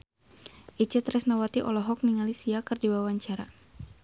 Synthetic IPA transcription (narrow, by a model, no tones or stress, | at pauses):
ʔit͡ʃɛt̪ɾɛsnawat̪iʔɔlɔɦɔk̚niŋalisiakɨrdiwawaɲt͡ʃaɾa